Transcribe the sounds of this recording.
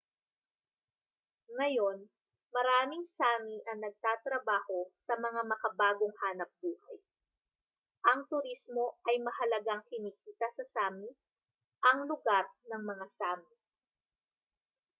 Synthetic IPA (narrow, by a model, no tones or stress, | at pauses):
ŋɐjo̞n | mɐɾaːmɪŋsaːmiʔɐŋnɐɡ̚t̪aːt̪ɾɐbaːho̞sɐmɐŋamɐkɐbaːɡoŋhaːnɐp̚buːhɐj | ʔɐŋt̪ʊɾismo̞ʔɐjmɐhɐlɐɡaŋkɪniːkiːt̪ɐsɐsaːmi | ʔɐŋlʊɡaɾnɐŋmɐŋasaːmi